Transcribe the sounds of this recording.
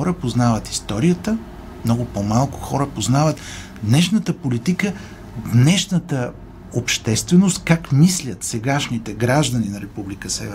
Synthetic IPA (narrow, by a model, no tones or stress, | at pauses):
ɔɾəpoznavət̪i̥st̪ɔɾijət̪ə | mnɔɡʊpomalˠkʊ̥xɔɾəpoznavət̪ | d̪nɛʃnət̪əpolit̪ikə | d̪nɛʃnət̪ə | opʃt̪ɛst̪vɛnost̪kakmislʲət̪sɛɡaʃnit̪ɛɡɾaʒd̪əninɐɾɛpublikəsɛ̰vɛ